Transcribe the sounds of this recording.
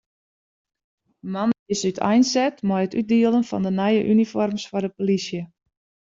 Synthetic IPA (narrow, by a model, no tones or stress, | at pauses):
manəisytʰɛ̰jnsɛtmɔjətyt̚diəlˠənfɔ̰ndənɛjəʔynifɔrmsfɔrdəpolisjə